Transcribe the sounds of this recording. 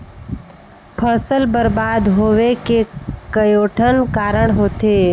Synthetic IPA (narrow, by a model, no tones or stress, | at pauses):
pʰəsəlbəɾbaːd̪ɦoːʋekekəjoːʈʰənkaːɾəɳ̃ɦoːt̪e